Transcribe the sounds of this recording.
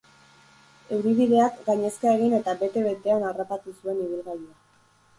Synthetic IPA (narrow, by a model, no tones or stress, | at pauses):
e̞wɾiβiðe̞akɡaɲe̞skae̞ɣ̞ine̞t̪abe̞t̪e̞βe̞t̪e̞anarapat̪usue̞niβ̞ilɣaɾia